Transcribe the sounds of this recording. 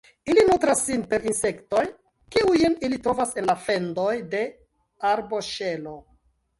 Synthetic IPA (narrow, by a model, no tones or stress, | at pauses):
ilinutɾasːinpe̞ɾinse̞kto̞j | kiujenilitɾo̞vase̞nlafe̞ndo̞jde̞ | aɾbo̞ʃe̞lo̞